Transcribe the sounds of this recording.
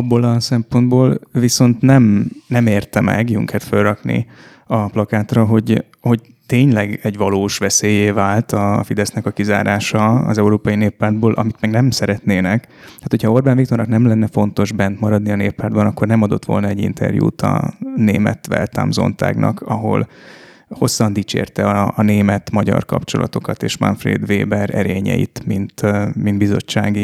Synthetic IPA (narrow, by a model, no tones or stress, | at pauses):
ɒbːolɒsɛmpo̞nd̪boːlviso̞nt̪nɛmnɛmeːrt̪ɛmɛ̰ɡjṵŋkʰɛt̪følrɒknḭ | ɒplɒkaːt̪rɒɦo̞ɟ | ho̞ɟ | t̪eːɲlɛɡɛɟʋɒloːʃʋɛseːjeːvaːlt̪ɒfid̪ɛsnɛkɒkiza̰ːɾaːʃɒɒ̰zɛuɾoːpɒjineːpːaːrd̪̚boːlʔɒ̰mit̪mɛɡnɛmsɛɾɛt̪neːnɛkt̪aːt̪hocʰhɒo̞rbaːnikt̪ornɒknɛmlɛnːɛfo̞nt̪o̞ʒbɛnt̪mɒɾɒd̪niɒneːpːaːrd̪bɒnɒkːornɛmɒd̪o̞t̪ʋo̞lnɒɛɟḭnt̪ʰɛ̰rjṵːt̪ɒ̰neːmɛ̰t̪ʋɛ̰lt̪a̰ːmzo̞̰nt̪a̰ːɡnʔɒ̰kʰɒɦo̞̰l | ho̞sːɒnd̪iːt͡ʃḛːrt̪ɛɒɒːneːmɛt̪mɒɟɒ̰rkɒ̰pt͡ʃo̞lɒ̰t̪o̞kɒt̪eːʃmɒ̰nfrḛːd̪ʋeːbɛɾɛ̰ɾeːɲɛ̰jḭt̪mint̪mind̪bizot͡ʃːaːɡi